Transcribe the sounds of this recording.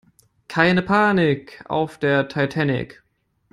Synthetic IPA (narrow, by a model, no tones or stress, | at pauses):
kʰaɪnəpʰaːnɪka̰ʊfd̥eːɐtʰaɪtʰɛnɪ̰k